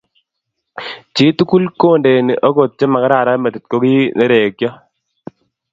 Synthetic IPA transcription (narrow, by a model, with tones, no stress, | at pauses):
t͡ʃi˦tu˦ku˦lko˦˨nde˨ni˨ʔo˦ko˨t̚t͡ʃɛ˦ma˨ka˦ɾaː˨ɾa˦mɛ˨t̪i˨t̪̚ko˦kiː˦nɛ˦ɾe˨kjɔ˦